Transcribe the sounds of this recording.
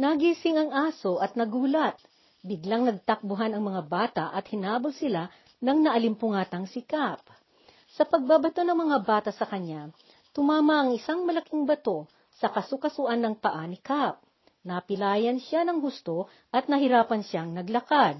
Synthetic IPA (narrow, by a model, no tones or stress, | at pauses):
nɐɡiːsɪŋɐŋʔaːso̞ʔɐt̪̚nɐɡuːlɐt̪̚ | bɪɡlaŋnɐɡ̚t̪ɐk̚bʊɦanɐŋmɐŋabaːt̪ɐʔɐt̪̚hɪnaːbɐlsɪla | nɐŋnɐʔɐlɪmpʊŋaːt̪ɐŋsɪkap | sɐpɐɡ̚babɐt̪o̞nɐŋmɐŋabaːt̪ɐsɐkɐɲa | t̪ʊmaːmɐʔɐŋɪsaŋmɐlɐkiŋbɐt̪o̞ | sɐkɐsʊkɐsʊʔanːɐŋpɐʔaːnɪkap̚ | nɐpɪlaːjɐnʃanɐŋhʊst̪o̞ | ʔɐt̪̚nɐɦɪɾaːpɐnʃaŋnɐɡlɐkad̪̚